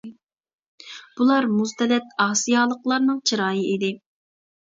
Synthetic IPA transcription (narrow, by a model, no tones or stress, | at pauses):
b̥ulˠɑɾmuzt̪ɛlɛt̪ɑːsijɑːlˠəqlˠɑɾnɨŋt͡ʃʰɨɾɑːjɨid̪ɪ